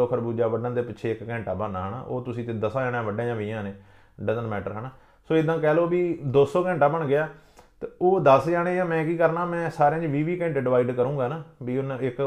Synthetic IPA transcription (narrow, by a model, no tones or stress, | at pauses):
oːkʰəɾbuːd͡ʒaːʋəɖãːd̪eːpɪʃʰeːɪkkɛ̃ːɳʈaːbənaːɦəɳa̰ːʔoːt̪ʊsĩːt̪eːd̪əsaːd͡ʒaːnjãːʋəɖãːjãːʋiãːneː | ɖəzənmɛːʈəɾɦəɳaː | soːɪd̪ãːkɛːloːbiːd̪oːsoːkɛ̃ːɳʈaːbəɳɡɪaː | t̪eoːd̪əsd͡ʒaːɽeːãːmɛ̃ːkiːkəɾnaːmɛ̃ːsaːɾeãːd͡ʒʋiːʋiːkɛ̃ːɳʈːɖɪʋaːiɖkəɾũːɡaːnaːbiːʊnɪk